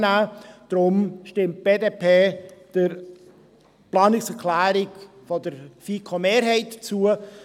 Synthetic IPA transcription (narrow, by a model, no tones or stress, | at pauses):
naːd̥ɾʊmʃtɪmt̚b̥eːdepʰeːd̥ɪɾ | plɑːnɪksɛɾkʰlæːɾɪɡ | fɔdəɾfiːkʰomeːɾɦɛɪtt͡suə